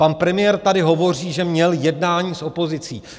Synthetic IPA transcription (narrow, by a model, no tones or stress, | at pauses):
panpɾɛmɪjɛːɾt̪adɪɦo̞vo̞r̝iːʒɛmɲɛljɛdnaːɲiːsʔo̞po̞zɪt͡sḭː